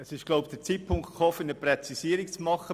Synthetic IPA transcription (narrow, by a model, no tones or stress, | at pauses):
əsɪʃɡ̥loʊb̚d̥ət͡siːt̚pʰʊŋktχoːfɪnəprɛt͡sisiːəɾik̚t͡smɑχə